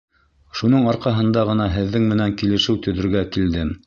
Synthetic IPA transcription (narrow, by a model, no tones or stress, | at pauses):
ʃunɤɴɑɾqɑɦɤ̆nd̪ɑʁɤ̆nɑɦɘ̆ðːɘŋmɘ̆næŋkilɘ̆ʃɘwt̪ɵ̆ðɵ̆ɾɡækild̪ɘm